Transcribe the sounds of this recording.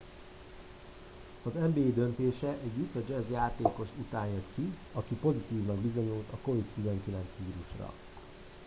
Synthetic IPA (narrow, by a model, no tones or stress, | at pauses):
ɒzɛmbeːd̪ø̞nt̪eːʃɛʔɛɟːut̪ːɒd͡ʒɛzjaːt̪eːko̞ʃut̪aːnjɒt̪ki | ɒkipo̞zit̪iːvnɒɡbizo̞ɲult̪ɒko̞vit̪t̪ːizɛŋkilɛnt̪sʋiːɾuʃrɒ̰